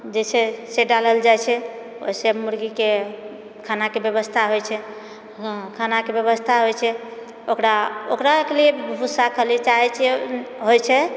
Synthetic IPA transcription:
d͡ʒet͡ʃʰɛseɖaləld͡ʒajt͡ʃʰɛ | o̰semuɾɡike | kʰanakebjebəst̪ʰaɦojt͡ʃʰɛ | kʰanakebjeβəst̪ʰaɦojt͡ʃʰɛ | okɾaokɾakeliebbbʱusakʰəlit͡ʃaɦɛt͡ʃʰɛɦojt͡ʃʰɛ

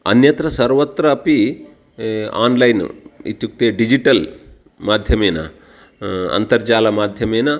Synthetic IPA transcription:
ɐ̰njɐt̪ɾɐsɐɾʋɐt̪ɾɐːpi | a̰ːnlɐjnḭt̪ːjuk̚t̪eːɖid͡ʒiʈɐl | maːd̪ʱjɐmeːnɐ̰ | ɐ̰nt̪ɐɾd͡ʒaːlɐmaːd̪ʱjɐmeːnɐ

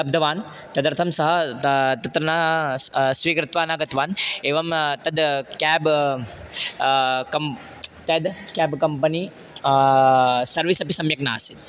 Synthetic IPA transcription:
ɐb̚d̪ʱɐʋaːn | t̪ɐd̪ɐɾt̪ʰɐmsɐɦɐt̪ɐt̪ɾɐnaː | sʋiːkɾɪt̪ʋaːnaːɡɐt̪ʋaːneːʋɐmt̪ɐd̪kɛːb | kɐm | t̪ɐd̪kɛːbkɐmpɐni | sɐɾʋisɐpisɐmjɐkna̰ːsit̪

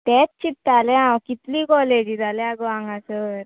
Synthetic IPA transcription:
t̪ɛtt͡ɕit̪ːaleãkit̪liːkɔled͡ʑiːd͡z̪aleaɡʋãŋɡasəɾ

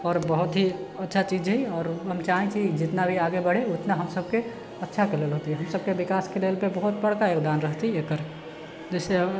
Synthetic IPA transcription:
ɔːɾbəɦut̪ɦiətːʃʰat͡ʃid͡ʒɦɛjɔːɾɦəmt͡ʃaɦĩt͡ʃʰid͡ʒɪt̪nabʱiaɡebəɽeut̪naɦəmsəbʱke | ətːʃʰakelelɦot̪iɦɛɦəmsəb̚kebikaskelelpebəɦut̪bəɽkajekd̪anɾəɦt̪iekəɾ | d͡ʒese

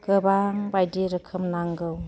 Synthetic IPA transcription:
kɯbaŋbajdiɾəkʰɯmnaŋɡɯw

